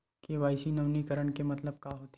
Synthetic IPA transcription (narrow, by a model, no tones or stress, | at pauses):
keʋaːɪsinɐʋnikəɾəɳkemɐt̪ləb̚kaɦoːt̪ː